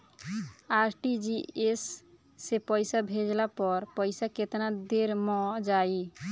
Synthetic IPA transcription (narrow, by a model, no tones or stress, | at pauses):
aɾʈid͡ʒiesː | epəɪsabʱed͡ʒlapɔɾpəɪsaket̪nad̪eɾmɔ̃d͡ʒai